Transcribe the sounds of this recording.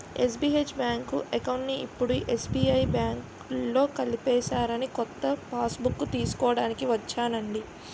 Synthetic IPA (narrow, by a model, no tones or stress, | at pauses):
es̬biːet͡ʃbjaːŋkuʔɛkɐwɳʈniipːuɽuʔesbiːɐjbjaːŋk | lːo̞ːkɐlipɛːsaːɾɐnikɔt̪ːɐpaːsbukːut̪iːsu̥kɔːɐɽaːnikiʋɐt͡ʃːaːnɐɳɖi